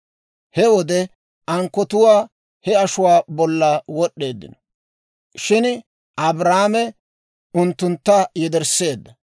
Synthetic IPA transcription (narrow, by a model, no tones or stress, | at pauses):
hɛwɔd̪ɛ | ʔɐŋkːɔt̪ʊwaː | hɛɐʃʊwaːbɔlːawɔɗːe̞ːd̪ːɪ̰nɔ̥ | ʃɪn | ʔɐbɾaːmɛ | ʊnt̪ːʊnt̪ːɐjɛd̪ɛɾse̞ːd̪ːɐ